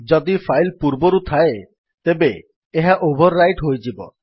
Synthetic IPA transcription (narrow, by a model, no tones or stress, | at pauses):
d͡ʒɔd̪ipʰajlpuɾbɔɾut̪ʰae | t̪ebeː | ɦaʔobʱɔɾːajʈɦojd͡ʒibɔ̰